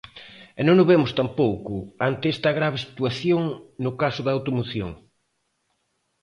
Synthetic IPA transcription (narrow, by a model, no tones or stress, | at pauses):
ɛnõŋʊβemʊst̪ampowkʊant̪eɛst̪ɐɣɾaβesi̥t̪uaθjoŋnʊkasʊðɐaːwt̪omoθjõ̰ŋ